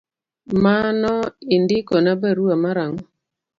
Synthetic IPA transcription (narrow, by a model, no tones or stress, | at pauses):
manɔɪndɪkɔnabaɾuamaɾaŋɔ